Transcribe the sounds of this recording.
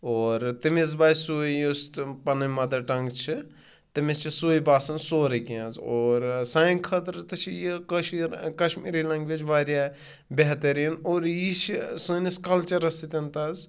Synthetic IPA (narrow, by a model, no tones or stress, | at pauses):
oːɾt̪imezbaːjsoːijostpɐnɐnʲmɐd̪ɐɾʈɐŋɡt͡ʃʰi | t̪ɨmit͡ʃʰisoːibaːsɐnsoːɾɐkiãːzoːɾsaːĩkʰɐt̪ɾt̪ɨt͡ʃʰijikɐʃikɐʃmiːɾilɐ̃ŋɡʋit͡ʃʋaːɾʲjaː | bʲeɦt̪ɐɾiinoːɾjit͡ʃʰsɨniskɐlt͡ʃɐɾɐsit̪ʲɐnt̪ɐz